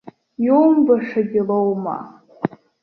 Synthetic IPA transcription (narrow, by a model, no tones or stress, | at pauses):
jowmbaʂaɡʲɪlowma̰